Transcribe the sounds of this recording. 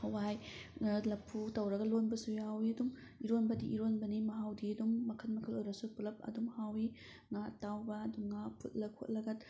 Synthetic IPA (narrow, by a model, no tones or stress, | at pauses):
hɐwajlɐpʰːutɐwɾɐɡɐlonbɐsujawiɐdum | iɾonbɐdiʔiɾonbɐnimɐɦawdiɐdumːɐkʰɐt̚mɐkʰɐlojɾɐsupulɐp̚ɐ̰dumhawi | ŋatawbɐduŋapʰṵt̚lɐkʰo̰t̚lɐɡɐt̚